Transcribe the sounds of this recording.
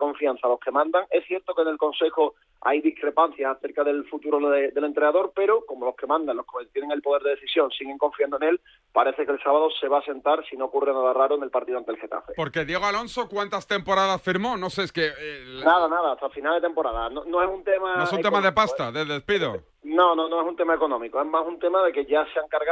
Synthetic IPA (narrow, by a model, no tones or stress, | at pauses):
ko̞ɱfian̟θalo̞ske̞mãnd̪aŋe̞sθje̞ɾt̪o̞kene̞lko̞nse̞xo | a̰jðihkɾe̞pan̟θjasaθe̞ɾkaðe̞lfut̪uɾoed̪e̞le̞nt̪ɾenaðo̞ɾpe̞ɾoko̞mo̞lo̞hke̞mãnd̪anlo̞hket̪je̞neŋe̞lpo̞ð̞e̞ɾðeðeθisjo̞ŋsiɣeŋkõ̞ɱfiand̪ene̞l | paɾe̞θe̞ke̞lsaβaðo̞se̞βaːse̞nt̪aɾsino̞okurenaðaraɾoene̞lpaɾt̪iðoant̪elxe̞t̪a̰fe̞po̞ɾke̞ðje̞ɣalo̞nso̞kwant̪ast̪e̞mpo̞ɾaðasfiɾmo̞no̞seskenaðanaðaːt̪afinald̪et̪e̞mpo̞ɾaðanonoesunt̪emaos̬unt̪emaðe̞past̪aðeðespiðo | nõ̞nonoe̞sunt̪e̞mae̞ko̞nõ̞mikoe̞ɦmasunt̪e̞maðe̞ke̞ʝaseaŋkaɾɣa